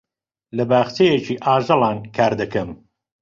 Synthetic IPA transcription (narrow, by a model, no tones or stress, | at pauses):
lɐbaːxt͡ʃejet͡ʃiːʔaːʒɐlˠɑːnkʰaːɾd̪ɐkɐm